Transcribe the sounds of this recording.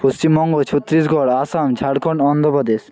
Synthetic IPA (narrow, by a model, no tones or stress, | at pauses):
post͡ɕimːɔŋɡot͡ɕʰot̪ːɾisɡʱɔɽasamd͡ʑʰaɽkʰɔɳɔnd̪ʱopɔd̪es